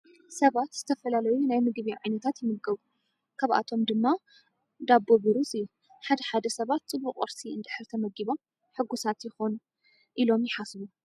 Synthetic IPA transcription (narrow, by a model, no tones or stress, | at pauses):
sɐβat̪z̥ɨ̥t̪ʰɐfɐlalɐjunajmɨɡβiʕajnɐt̪ʰat̪jɪmɨlɡɐβu | kʰaβʔa̰t̪ʰo̞md̪ɨmːa | d̪abːoβɨɾuziju | ħad̪ɐħad̪ɐsɐβat̪t͡sʼɨbːuqʼɨ̰ɾsiɨnd̪ɨħɨɾt̪ʰɐmɐɡiβo̞m | ħɨɡːusat̪jɪxo̞n | ʔilo̞mjɪħasβu